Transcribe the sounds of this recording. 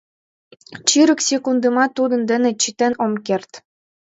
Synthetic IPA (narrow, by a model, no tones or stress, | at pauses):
t͡ɕiɾə̆ksʲekund̪ɤmɑt̪ːud̪ɤ̆nd̪ɘ̆nĕt͡ɕit̪enomkert̪